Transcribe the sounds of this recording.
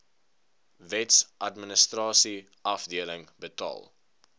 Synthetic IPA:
vɛtsʔɐtmənəstrɑːsi | ɐfdiələŋbətɑ̰ːlˠ

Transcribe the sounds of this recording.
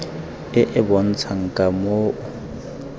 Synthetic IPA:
ɪʔɪbɔn̩t͡sʰaŋ̩kʼamoːʊ

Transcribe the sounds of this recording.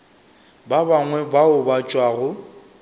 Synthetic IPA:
babaŋwɛbaʊbat͡ʃʼwaːɣʊ

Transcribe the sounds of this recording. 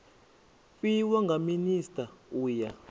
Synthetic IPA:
fiwaŋɡaministʼauːja

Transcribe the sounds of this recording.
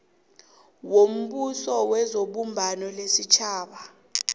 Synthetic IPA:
wom̩ɓusɔwɛzoɓumbʱanɔlesit͡ʃʰaːɓa

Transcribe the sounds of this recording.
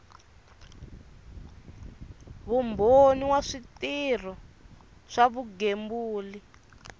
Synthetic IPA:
βumboniwaʂitir̤ɔ | ʂaβuɡembuːli

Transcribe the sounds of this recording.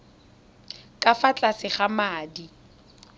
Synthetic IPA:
kʼafat͡ɬʼasɪχamaːdi

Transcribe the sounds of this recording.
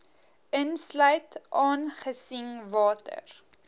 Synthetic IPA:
ənslœɥtʔɑːnχəsiŋvɑːtə̰r

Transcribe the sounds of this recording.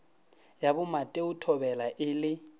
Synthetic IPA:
jabʊmatʼeʊtʰɔbɛlaʔɪlɪ

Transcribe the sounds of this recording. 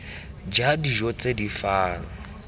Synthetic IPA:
d͡ʒadiʒɔt͡sʼedifaːlɔ

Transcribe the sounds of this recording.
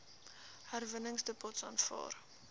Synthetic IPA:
hærvənəŋsdəpɔtsɑːnfɑ̰ːr

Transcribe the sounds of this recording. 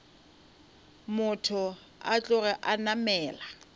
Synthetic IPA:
mʊtʰʊ | at͡ɬʼʊrɛʔanamɛːla

